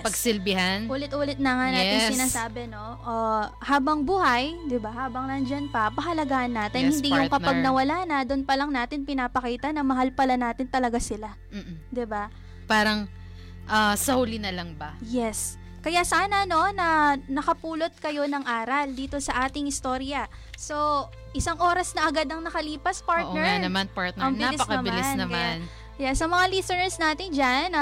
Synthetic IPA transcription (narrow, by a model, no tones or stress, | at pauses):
pɐɡsɪlbɪhanʔuːlɪt̪̚ʔuːlɛt̪̚nɐŋanaːt̪ɪŋsɪnaːsaːbɛno̞ʔo | haːbɐŋbuːhɐjd̪ɪbahaːbɐŋnɐnd͡ʒɐnpɐpɐɦɐlɐɡaʔɐnːaːt̪ɪnhɪnd̪ijʊŋkɐpɐɡ̚nɐwɐlaːnɐd̪ʊnpɐlɐŋnaːt̪ɪnpɪnaːpɐkiːt̪ɐnɐmɐɦalpɐlanaːt̪ɪnt̪ɐlɐɡasɪla | m̩ːd̪ɪba | paːɾɐŋ | ʔɐsɐhulɪnɐlɐŋbɐjɛs | kɐjasaːnɐno̞nɐnɐkɐpuːlo̞t̪̚kɐjo̞nɐŋʔaːɾɐld̪iːt̪o̞sɐʔaːt̪ɪŋhɪst̪o̞ːɾjɐ | so̞ | ʔɪsaŋʔo̞ːɾɐsnɐʔɐɡad̪ɐŋnɐkɐliːpɐspaɹʔnɛanɐmanpaɹt̪̚nɛɐbnlɪpɐkɐɐmbɪlɪnnɐmkɐan | jɛsɐŋmɐŋalisonɛɹsnaːt̪ɪnd͡ʒan